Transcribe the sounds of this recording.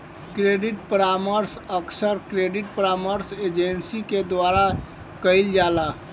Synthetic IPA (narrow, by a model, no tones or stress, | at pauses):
kɾeɖiʈpəɾaməɾsəksəɾkɾeɖiʈ̚pəɾaməɾsed͡ʒensiked̪waɾa | kəjld͡ʒala